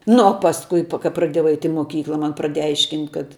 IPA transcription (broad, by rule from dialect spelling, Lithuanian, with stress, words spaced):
nʊ oː pɐsˈkʊɪ pɐ kɐ prɐˈdʲiɛjɛʊ ˈɐɪtʲ ɪ ˈmoːkʲiːklˠɐ ˈmɐn prɐˈdʲeːjɛ ˈɐɪʃʲkʲɪnʲtʲ kɐt